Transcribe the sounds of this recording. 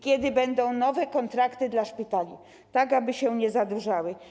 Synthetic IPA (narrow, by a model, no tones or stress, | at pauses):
kʲjɛd̪ɘbɛnd̪ɔ̃w̃nɔvɛkɔnt̪ɾakt̪ɘd̪laʂpʲit̪alʲi | t̪aɡabɘɕɛɲɛzad̪uʐawɘ